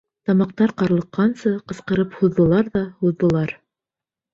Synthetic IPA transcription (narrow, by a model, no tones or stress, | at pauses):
t̪ɑmɑq̚t̪ɑɾqɑɾlˠɤ̆qːɑnsɤqɤ̆sqɤ̆ɾɤphuðːɤ̆lˠɑɾðɑhuðːɤ̆lˠɑɾ